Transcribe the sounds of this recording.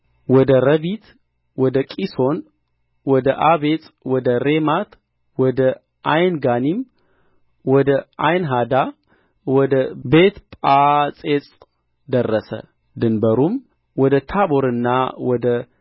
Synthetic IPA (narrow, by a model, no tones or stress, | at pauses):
wɔd̪əɾəβit̪ʰ | wɔd̪əkʼiso̞n | wɔd̪əʔaβet͡sʼwɔd̪əɾemat̪ | wɔd̪ə | ʔajnɡanim | wɔd̪əajnɦad̪a | wɔd̪əbe̞t̪pʼat͡sʼet͡sʼ | d̪ərːəsə̰ | d̪ɨnbəɾum | wɔd̪ət̪ʰaboɾɨnːawɔd̪ə